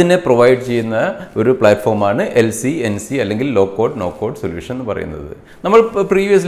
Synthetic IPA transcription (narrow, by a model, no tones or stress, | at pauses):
inːe̞proʋɐjɖɨt͡ɕe̞jːunːɐo̞ɾupɭaːʈːfo̞ːrmaːɳɨʔe̞lsiensiɐlːe̞ŋɡilːo̞ːkːo̞ːɖno̞ːkːoːɖsoljṵːʂɐne̞nːɨpɐrɐ̰jṵnːɐ̰ðɨ̰ | nɐmːɐɭpriːʋijɐs̬